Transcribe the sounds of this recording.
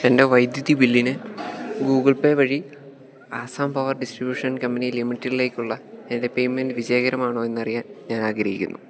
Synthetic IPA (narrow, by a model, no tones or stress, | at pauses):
ende̞ʋɐjd̪jɐðibilːinɨɡuːɡɐɭpeʋɐɻi | aːsaːmpɐʋɐrɖisʈribjuːʂɐnkɐmbɐnijlimitːiɾile̞ːkʲːuɭːɐenide̞pejmendɨʋid͡ʑeːɣɐɾɐmaːɳoːe̞nːɐrijaːnɲaːnaːɡɾɐɦḭkʲːṵnːu